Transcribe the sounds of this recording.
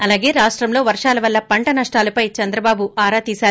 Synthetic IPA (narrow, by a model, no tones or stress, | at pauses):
ɐlaːɡe̞ːɾaːʂʈɾɐmlo̞ːʋɐɾʂaːlɐʋɐlːɐpɐɳʈɐnɐʂʈaːlɐpɐjt͡ʃɐnd̪ɾɐbaːbuaːɾaːt̪iːsaːu